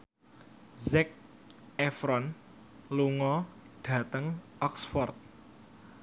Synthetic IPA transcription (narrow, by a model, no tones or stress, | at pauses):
zɛk̚ | ɛfɾɔn | luŋɔɖ̥ä̤t̪əŋɔksfɔrt̪̚